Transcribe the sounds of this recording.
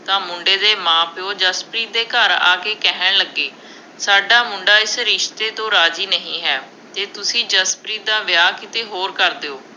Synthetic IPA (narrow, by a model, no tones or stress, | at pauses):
t̪ãːmʊɳɖeːd̪eːmãːpʰɪoːd͡ʒəspɾiːd̪eːkəɾa̰ːkeːkɛɦəɳləɡːeː | saːɖaːmʊɳɖaːɪsɾɪʃt̪eːt̪õːɾaːd͡ʒiːnəɦĩːɦɛː | t̪eːt̪ʊsĩːd͡ʒəspɾiːd̪ãːʋɪjaːkɪt̪eːɦoːɾkəɾd̪eːoː